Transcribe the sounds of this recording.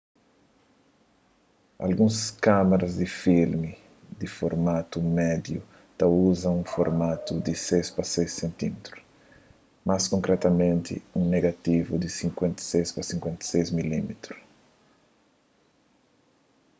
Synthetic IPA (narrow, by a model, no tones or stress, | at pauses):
a̰lɡũskameɾɐzd̪ifilmi | d̪ifoɾmat̪umɛd̪ju | t̪ɐuzɐ̃ŋũfoɾmat̪ud̪isejspɐsejsːẽnt̪imet̪ɾu̥ | maskõŋkɾɛt̪ɐmẽnt̪ɪ̰ũneɡat̪ivud̪isĩŋkwẽnt̪ɐ̥sejspɐsĩŋkwẽnt̪ɐ̥sejzmilimet̪ɾu̥s